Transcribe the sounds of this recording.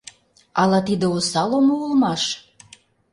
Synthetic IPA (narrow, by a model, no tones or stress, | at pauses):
ɑlɑt̪id̪eosɑlomoulmɑʃ